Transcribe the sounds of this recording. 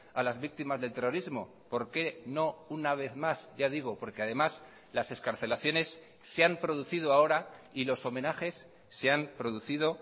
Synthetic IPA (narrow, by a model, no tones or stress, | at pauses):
alazβik̚t̪imazðe̞lt̪e̞ro̞ɾizmo̞̰ | po̞ɾke̞no̞unaβ̞e̞θmazɟ͡ʝaðiɣ̞o̞po̞ɾke̞aðe̞mas | lase̞skaɾθe̞laθjo̞ne̞sː | eampɾo̞ðuθið̞oao̞ɾailo̞so̞mẽ̞naxe̞sː | eampɾo̞ðuθiðo̞